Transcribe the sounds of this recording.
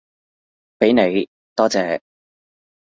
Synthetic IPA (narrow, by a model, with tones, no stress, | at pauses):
pe˨˥jne˨˧j | t̪ɔː˥t͡sɛː˨˧